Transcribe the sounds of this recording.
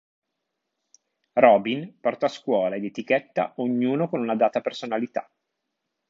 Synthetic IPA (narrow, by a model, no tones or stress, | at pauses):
rɔbinpɔrt̪aːskwɔːlaed̪et̪ik̟ɛt̪ːa̰oɲːuːnokonunad̪aːt̪apersonalit̪a̰